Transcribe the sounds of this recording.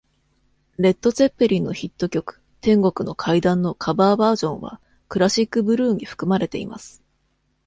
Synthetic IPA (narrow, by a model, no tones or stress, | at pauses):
ɾe̞t̪ːo̞t͡se̞pːeɾʲinːo̞çit̪ːo̞kʲo̞kɯ̥ | t̪ẽ̞ŋɡo̞kɯ̟no̞kʰaid̪ãnːo̞kʰabaːbaːʑõ̞ɰ̃βa̰ | kɯ̟ɾaɕikːɯ̟bɯ̟ɾɯ̟ːɲ̟iɸɯ̥kɯ̟maɾe̞t̪e̞ḭma̰sɨ̥